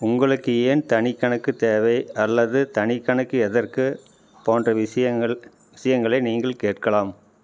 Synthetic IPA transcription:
ʊŋɡɐɭɯkːɯeːnt̪ɐɳɪkːɐɳɯkːɯt̪eːʋɐɪɐlːɐðɯt̪ɐɳɪkːɐɳɯkːɯɛðɐrkɯ | poːndrɐʋɪɐɐɐɭ | ʋɪsɐjɐŋɡɐɭɐɪniːŋɡɐɭkeːʈ̚kɐɭaːm

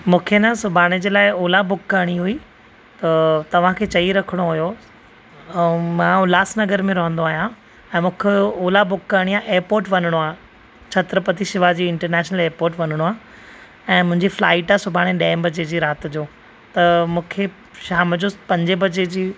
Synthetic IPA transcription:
mũːkʰenasʊbʱaːɽ̃ed͡ʑeːlaːɪoːlabʊkːɐɾɽ̃iɦui | t̪ɐt̪ɐʋ̤ãkʰeːt͡ɕɐiɾɐkʰəɽ̃oɦujo | mãʊlaːsnɐɡəɾmẽɾɐɦə̃nd̪oaːɦijã | ɛ̃ːmũːkʰeoːlabʊkːəɽ̃ijãʔeːɾpoːɾʈʋɐnəɽ̃oãː | t͡ɕʰɐt̪ɾəpɐt̪iʃɪʋad͡ʑiːɪ̃ɳʈəɾnɛːʃnəleːɾpoːɾʈʋɐnəɽ̃oaː | ɛ̃ːmʊ̃ɦɪ̃ɲd͡ʑiflaːɪʈasʊbʱaːɽ̃eɗɛːɪmbʱɐd͡ʑed͡ʑiːɾaːt̪d͡ʑoː | t̪ɐmũːkʰe | ʃaːmd͡ʑopɐ̃ɲd͡ʑebʱɐt͡ɕed͡ʑiː

